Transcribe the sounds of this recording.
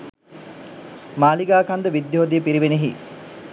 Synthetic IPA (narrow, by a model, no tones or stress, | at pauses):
maːliɡaːkand̪əʋid̪joɦod̪ijəpiɾiʋeneɦḭ